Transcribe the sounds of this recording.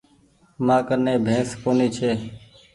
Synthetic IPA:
mãːkənẽːbʱẽːskoːniːt͡ʃʰeː

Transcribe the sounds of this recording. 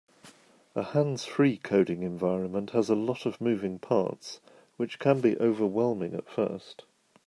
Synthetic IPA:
əhãnz̥fɹiːkʰəʊɾɪ̃ŋɛ̃ɱvaɪɹə̃nmə̃nʔhəzəlɒtəvmʉːvɪ̃ŋpʰɑ̰ˑts | wɪt͡ʃkʰə̃nbiʔəʊvəwɛlˠmɪ̃ŋə̰tfɜ̰ˑst

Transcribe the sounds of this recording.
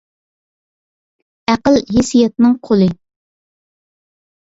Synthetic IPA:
æqəlɦesijɛt̪̚nɨŋqʰolˠɨ

